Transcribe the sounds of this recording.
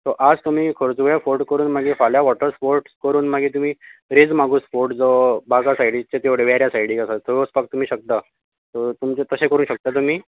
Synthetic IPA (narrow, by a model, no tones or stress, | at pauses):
t̪ɔʔad͡zt̪um̤iːkʰoɾt͡suʋjafoɾʈkəɾuːnmaɡiːfaljaʋɔʈəɾspoɾʈskəɾuːnm̤aɡiːt̪̬um̤iːɾed͡zmaɡuːspoɾʈd͡zɔbaɡasaiɽit͡ɕet̪eʋɽeʋaɾjasajɽiːkasat̪ʰoʋospakt̪ːum̤iːɕək̚t̪a | t̪ɔt̪umt͡ɕet̪əsẽkəɾuːnɕək̚t̪at̪̬um̤iː